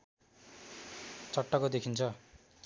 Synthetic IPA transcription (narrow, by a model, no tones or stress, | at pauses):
t͡sʌʈːʌkod̪ekʰint͡sʰʌ